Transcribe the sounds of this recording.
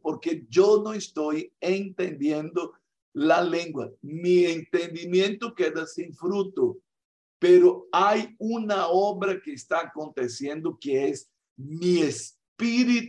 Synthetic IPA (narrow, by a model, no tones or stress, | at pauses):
poɾkeʒonõest̪ojẽnt̪ẽnd̪jẽnd̪ʊ | lɐlẽŋɡwɐmiẽnt̪ẽnd̪imjẽnt̪ʊked̪ɐsĩŋfɾut̪ʊ | peɾʊajũnɐɔbɾɐkeːst̪aːkõnt̪esjẽnd̪ʊkeɛz | mies | piɾit̪